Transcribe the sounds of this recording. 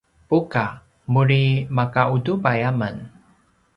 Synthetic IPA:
puka | muɾimakaudupajamən

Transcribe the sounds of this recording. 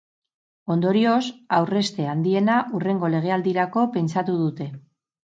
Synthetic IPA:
o̞nd̪o̞ɾio̞sawre̞st̪e̞and̪ie̞naʔure̞ŋɡo̞le̞ɣ̞e̞ald̪iɾako̞pe̞nt͡sat̪uð̞ut̪e̞

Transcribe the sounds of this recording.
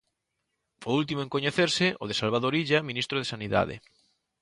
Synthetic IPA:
poɾult̪imoẽŋkoɲeθeɾsɪoð̞esalβ̞aðoɾiʎamĩnist̪ɾoðesaniða̰ðḛ

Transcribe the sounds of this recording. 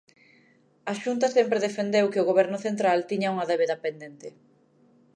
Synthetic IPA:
aʃunt̪ɐsɛmpɾeðefend̪ewkɪʊɣ̞oβɛɾnʊθent̪ɾalt̪iɲauŋɐðeβeðapend̪ent̪ɪ

